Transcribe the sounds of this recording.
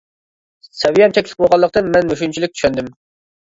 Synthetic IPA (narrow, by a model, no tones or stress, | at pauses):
sɛvijɛmt͡ʃ̪ʰɛkʲlɪ̥k̚bolˠʁɑlˠːəq̚t̪ɨnmɛnmøʃunt͡ʃʰilɪk̚ʲt͡ʃʰy̥ʃønd̪ɪm